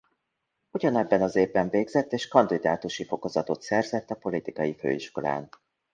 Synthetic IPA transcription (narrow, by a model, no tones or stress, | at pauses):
uɟɒnɛbːɛnɒzeːbːɛɱveːɡzɛt̪ːeːʃkɒnd̪id̪aːt̪uʃifo̞ko̞zɒt̪o̞t̪sɛrzɛt̪ːɒpo̞lit̪ikɒjifø̰ːiʃko̞la̰ːn